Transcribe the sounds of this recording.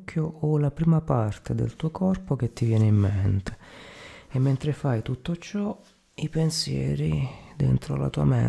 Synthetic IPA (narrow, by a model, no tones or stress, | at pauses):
kʰːjoɔlapɾiːmapart̪ed̪ḛlt̪uːokʰɔrpok̟et̪ːivjɛːneimːent̪e̥ | emːent̪ɾefajt̪ut̪ːot͡ʃɔ | ipensjɛ̰ːɾid̪ɛ̰nt̪ɾo̰la̰t̪uːamɛ̰